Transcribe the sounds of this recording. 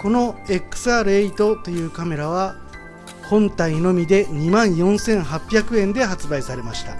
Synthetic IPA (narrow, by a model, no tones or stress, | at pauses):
ko̞no̞e̞kɯ̥saːɾɯ̟eit̪o̞t̪o̞jɯ̟ːkame̞ɾaβ̞a | hõ̞nt̪aino̞mʲid̪e̞ɲ̟imãɰ̃jõ̞ɰ̃sẽ̞ɰ̃ɦapʲːjakɯ̟ẽ̞nd̪e̞ɦat͡sɨbaisaɾe̞maɕi̥t̪a